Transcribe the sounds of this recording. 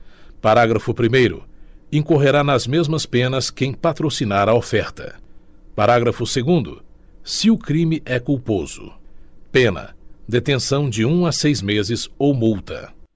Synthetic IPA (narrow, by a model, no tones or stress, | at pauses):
paɾaɡɾɐfʊpɾimejɾʊ̰ẽkoɦeɾanɐzmezmɐspẽnɐskẽj̃pat̪ɾosinaɾɐofɛɾt̪ɐ̰paɾaɡɾɐfʊseɡũnd̪ʊ̰ | sɪʊkɾĩmɪʔɛkuwpoz̥ʊ̰pẽnɐ̰d̪et̪ẽsɐ̃w̃d͡ʒɪũasejzmezɪzowmuwt̪ɐ̰